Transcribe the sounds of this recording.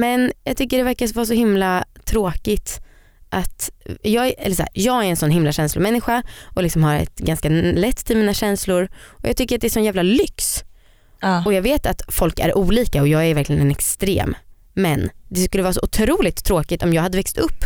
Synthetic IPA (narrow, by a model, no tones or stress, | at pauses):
mɛnjɑːɡt̪ʏkːəɖɛvæɾkavɑːs̬ɔhɪmlat̪ʰɾoːkɪt̪ | ʔat̪jɑːɡɛ̰lːəʂæ̰ːɾjɑːɡæɾɛnsɔnɦɪmlaɕɛnslʊmɛnːɪɧaʔɔlɪksɔmhaɾɛ̰t̪ɡanskalɛt̪ːt̪ʰːɪlmiːnaɕɛnslʊɾʔɔjɑ̰ɡ̚t̪ʏkːəɾat̪̚d̪ɛæʂɔnjæːvlalʏks | ɔjɑːɡveːt̪at̪fɔlkæ̰ɾʔuːliːkaɔjɑːɡævæɾklɪɡənɛnɛkst̪ɾḛːmː | ɛnd̪ɛskɵlːəvɑːɾas̬ɔʔʊt̪ʰɾuːlɪt̪ʰːɾoːkɪt̪ɔmjɑːɡhad̪əvɛkst̪ɵpː